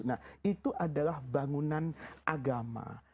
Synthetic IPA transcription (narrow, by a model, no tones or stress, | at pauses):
nahit̪uʔadalahbaŋunanʔaɡama̰